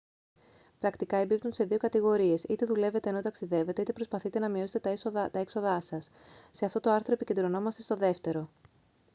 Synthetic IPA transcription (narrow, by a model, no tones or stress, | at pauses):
pɾɐkt̪ikɐembip̚t̪unse̞ðio̞kɐt̪iɣo̞ɾie̞sit̪e̞ðule̞ve̞t̪eːnot̪ɐksiðe̞ve̞t̪e̞it̪epɾo̞spɐθit̪e̞nɐmio̞set̪t̪ɐekso̞ðɐsɐsː | e̞ɐft̪o̞t̪o̞ɐɾθɾo̞epiced̪ɾo̞no̞mɐst̪est̪o̞ðe̞ft̪e̞ɾo̞